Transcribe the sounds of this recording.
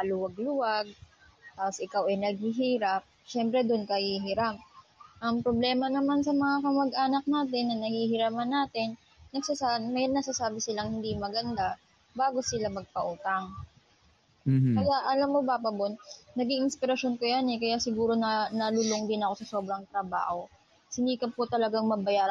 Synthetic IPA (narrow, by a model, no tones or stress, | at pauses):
ɐluwɐɡlʊwaɡ̚ | t̪aːposʔɪkawʔɛjnɐɡ̚hɪɦiːɾap̚ʃɛmpɾɛd̪ʊnkɐhiɦɪɾamʔɐmpɾoblɛːmɐnɐmansɐmɐŋakɐmɐɡʔaːnɐk̚naːt̪ɪnːɐnɐhihɪɾaːmɐnːaːt̪ɪnː | ɐɡsasamɐjnːɐɡsasaːbɪsɪlaŋhɪnd̪imɐɡɐnd̪a | baːɡo̞sɪlamɐɡ̚pɐʔuːt̪ɐŋ | kɐjaʔɐlamːobapɐbonnɐɡiŋʔɪnspɪɾɐʃo̞nkojanɛkɐjasɪɡuːɾo̞nɐnɐlʊloŋd̪ɪnɐko̞sɐso̞ːbɾɐŋt̪ɾɐba̰ːho̞ | hɪnd̪iːkɐpot̪ɐlɐɡaŋmɐbɐjaːɾ